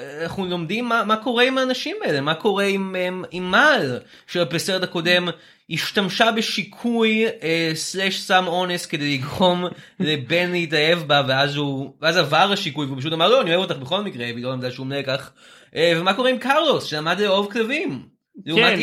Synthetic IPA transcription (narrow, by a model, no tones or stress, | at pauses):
naχnulo̞md̪imːamako̞ʁeimaːnaʃimbeɛlemːako̞ʁeimimːal | ʃeapeseʁetako̞de̞m | iʃt̪amʃabeʃikʰujesleʃsamo̞nesked̪ejliɡʁo̞m | lebe̞nleitae̞vbaveazuveazavaʁaʃikujveupaʃ̬ut̪amaʁloanioevo̞t̪aχbeχo̞lmikʁebilolamd̪aʃeumnekaχ | ʔevemako̞ʁeimkaʁlo̞sʃelamad̪leo̞vklavim | leuma